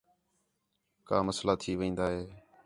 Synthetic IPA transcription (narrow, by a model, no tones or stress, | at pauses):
kaːməslaːt̪ʰiːʋẽĩːnd̪aːɦeː